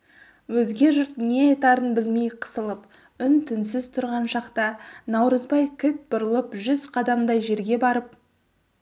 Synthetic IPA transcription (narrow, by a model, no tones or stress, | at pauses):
wɵzɡʲe̞ʒʊɾt̪ne̞ɑjt̪ɑɾənbɪlmejqʰə̥səlˠəp | ʏnt̪ʰʏnsɪzt̪ʰʊɾʁɑnʃɑqt̪ɑnɑwɾəzbɑjkʲʰɪt̪̚bʊɾəlˠəpʒʏz̥qʰɑd̪ɑmd̪ɑjʒe̞ɾɡʲe̞bɑɾəp̚